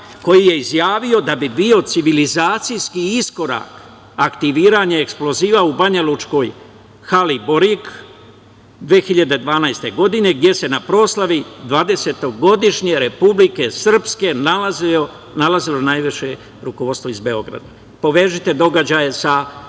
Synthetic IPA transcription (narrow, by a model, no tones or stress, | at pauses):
ko̞jije̞izjaːʋio̞d̪abibio̞t̪siʋilizaːt̪sijskiisko̞ɾa̰ːk | akt̪iʋiːɾaɲaeksplo̞ziːʋaubaɲalut͡ʃko̞ːj | xalibo̞ɾik | d̪ʋeːxiʎad̪e̞d̪ʋaːnajst̪e̞ɡo̞d̪ine̞ɡd̪je̞se̞napɾo̞ːslˠaʋid̪ʋaːd̪e̞se̞t̪o̞ɡo̞d̪iʃɲe̞ɾe̞publike̞sr̩pske̞naz | nalazilo̞najʋiʃe̞ | ɾukoʋo̞d̪st̪oizbe̞o̞ɡɾa̰d̪a | po̞ʋe̞ːʒit̪e̞d̪o̞ɡad͡ʑaːjesa